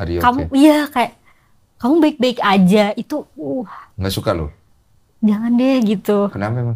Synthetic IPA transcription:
a̰ɾiokamuijakajaʔ | kamubaɪk̚baɪkad͡ʒait̪uuhŋɡaʔsukalo̰ | d͡ʒaŋandɛhɡit̪ukənapɛma

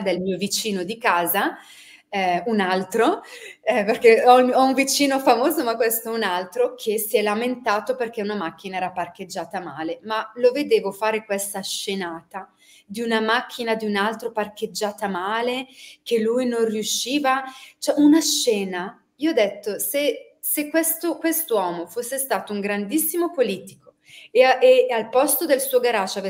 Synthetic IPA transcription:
d̪elmiːovit͡ʃiːnod̪ikaːza | ɛunalt̪ɾo | perkeɔɔuɱvit͡ʃiːnofamoːzomakːwest̪oɛunalt̪ɾokʰesiɛlament̪aːt̪operk̟eunamak̟ːinaɛːɾapark̟ed͡ʒːaːt̪amaːlemaloved̪eːvofaːɾekwest̪aʃːenaːt̪a | d̪iunamak̟ʰːinad̪iunalt̪ɾopark̟ed͡ʒːaːt̪amaːlek̟elːujnõnrjuʃːiːvat͡ʃɛʔunaʃːɛːna | iːoɔd̪ːet̪ːose | sekːwest̪okwest̪owɔːmofosːest̪aːt̪ouŋɡɾand̪isːimopoliːt̪i̥ko̥ | eaealpɔst̪od̪elsuːoɡaɾat͡ʃːav

